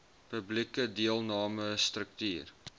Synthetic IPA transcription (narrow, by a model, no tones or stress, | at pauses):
pəblikədiəlˠnɑːməst̪rək̚tyːr